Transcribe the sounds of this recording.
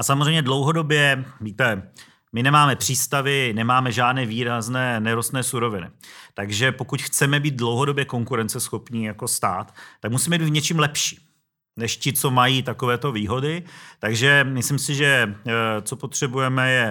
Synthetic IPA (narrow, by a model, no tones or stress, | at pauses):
ʔasamozr̝ejmɲɛdlo̞wɦo̞do̞bjɛviːt̪ɛ | mɪnɛmaːmɛpr̝̥iːst̪avɪnɛmaːmɛʒaːdnɛːviːɾaznɛːnɛɾost̪nɛːsuɾo̞vɪnɪ̰t̪aɡʒɛpo̞kucxt͡sɛmɛbiːt̪̚dlo̞wɦo̞do̞bjɛko̞ŋkuɾɛnt͡sɛsxo̞pɲijako̞st̪aːt̪ːak̚musiːmɛbid̪it̪vɲɛt͡ʃimlɛpʃi̥ː | nɛʃcɪt͡so̞majiːt̪ako̞vɛːt̪o̞viːɦo̞dɪt̪aɡʒɛmɪslimsɪʒɛ | t͡so̞po̞t̪r̝̥ɛbujɛmɛjɛ